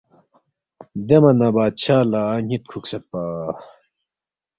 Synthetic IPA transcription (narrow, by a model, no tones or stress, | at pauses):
d̪emɐnɐbaːt͡ɕʰaːlaːɲit̪̚kʰuksɐt̪̚paː